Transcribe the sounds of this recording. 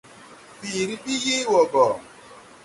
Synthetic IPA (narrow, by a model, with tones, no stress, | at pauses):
bi˨ɾi˦bi˦je˦wɔ˨ɡɔ˨